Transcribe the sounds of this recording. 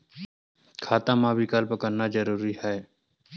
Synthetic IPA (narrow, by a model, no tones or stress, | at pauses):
kʰaːt̪amãbʱikaːlpəkəɾnad͡ʒəɾuːɾihɛː